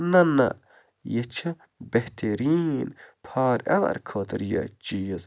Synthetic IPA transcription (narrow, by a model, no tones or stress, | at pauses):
nɐnɐ̰ | jet͡ʃʰɐ | beht̪ʰeɾinpʰɑːɾɐ̰ʋɐ̰ɾkʰoːt̪ɾjɐ̰t͡ʃijəz